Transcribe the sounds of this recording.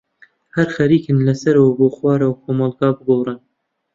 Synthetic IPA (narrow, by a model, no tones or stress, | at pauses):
hæɾxɐɾiːkɨnlɐsɐɾwaboːxwɑːɾawkʰomɑlɡɑːbɨɡorɨn